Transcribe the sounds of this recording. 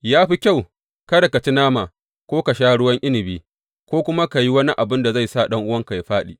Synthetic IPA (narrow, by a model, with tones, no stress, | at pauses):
jaː˦ɸi˦kʲa˦˨w | kɐ˦da˨ka˨t͡ʃi˦naː˦maː˨ | kʷoː˦ka˨ʃaː˦ɽʊ˦wɐ˦ŋʔɪ˦nɪ˨biː˦ | kʷoː˦kʷʊ˦ma˦ka˨ji˦wɐ˦ni˦ʔa˨bɪ˦nda˨za˦˨jsa˦˨ɗɐ˦ŋʔʊ˦wɐ˦ŋka˨ja˦ɸaː˦ɗḭː˨